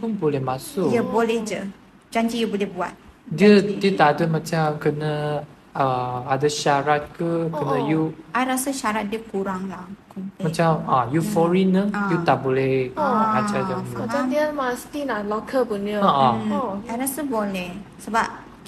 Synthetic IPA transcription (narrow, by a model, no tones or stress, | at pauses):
punbolɛhmãsʊjəbolehd͡ʒə | d͡ʒaɲd͡ʒijəbolɛhbua̰t̪̚diədiət̪adəmãt͡ʃamkənə | əadəʃaɾat̪̚kəkənə̃juʔajɾasaʃaɾat̪̚diəkuɾaŋlakumat͡ʃamajufɔɾinədiət̪aʔbolɛhad͡ʒajamt͡ʃad̪iaməst̪inaʔlɔkʰəpunəaʔãajɾasəbolehsəbap̚